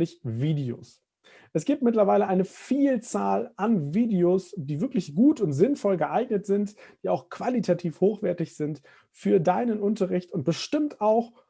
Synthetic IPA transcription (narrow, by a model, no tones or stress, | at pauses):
lɪçviːdeo̰ːs | ʔɛsɡ̥iːp̚t̚mɪtlɐvaɪləʔaɪnəfiːlt͡saːlʔanviːdeosd̥iːvɪɐklɪçɡ̥uːtʊntz̥ɪnfɔlɡəʔaɪɡnətz̥ɪntd̥iːaʊxkv̥alitʰatʰiːfhoːxv̥ɛɐtɪçz̥ɪnt | fyːɐdaɪnənʔʊntəʁɪçtʊnt̚b̥əʃtɪmtaʊx